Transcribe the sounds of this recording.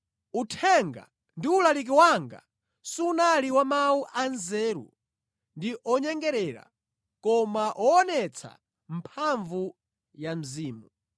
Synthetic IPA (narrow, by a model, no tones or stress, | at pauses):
utʰɛŋɡa̰ | ndiulalik̬iwaŋɡa̰ | siunaliwamawuʔanzɛːɾṵ | ndiʔɔɲɛŋɡɛɾɛɾa̰ | kɔmaʔɔːnɛt͡sʰa̰ | m̩pʰaɱvu | jam̩ziːmu